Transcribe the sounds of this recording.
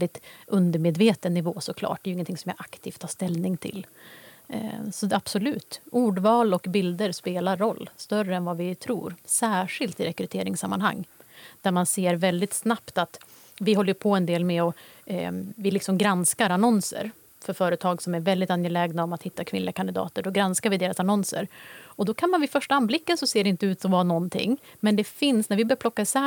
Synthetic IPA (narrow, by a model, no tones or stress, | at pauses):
ɛld̪ɪt̪ɵnd̪əɾmeːd̪veːt̪ənːɪvoːsɔkʰlɑ̰ːʈ̚d̪ɛjʏɪŋːənt̪ʰɪŋsɔmjɑ̰ʔakt̪ʰiːft̪ʰhɑːʂt̪ɛlnɪŋt̪ʰɪ̰l | sɔab̥sɔlʉ̟ːt̪ʔuːɖvɑːlɔkbɪld̪əɾspeːlaɾːɔlːst̪œrəɛnvavɪt̪ʰɾṵːɾsæːʂɪlt̪ɪɾɛkɾɵt̪ʰeːɾɪŋsamːanha̰ŋːd̪̥æɾmanseːɾvɛld̪ɪt̪snapt̪at̪ | vɪɦɔlːəɾpʰɔɛnd̪eːlmɛɔ | vɪlɪksɔmɡɾanskaɾanɔnsə̰ɾ | fœɾfœːɾət̪ʰɑːɡsɔmæɾvɛld̪ɪt̪anjəlɛːɡnaɔmat̪hɪt̪ːakʰvɪnlɪɡakʰand̪ɪd̪ɑ̰ːt̪əɖɔɡɾanskaɾvɪd̪eːɾasanɔnsə̰ɾɔd̪ɔkʰanmanvɪfœʂʈaanblɪkːənsɔseːɖɛɪnt̪əʉːt̪sɔmvanɔnːt̪ʰɪ̰ŋːmɛnd̪ɛfɪnsnæɾvɪbœːpʰlɔkːasɛ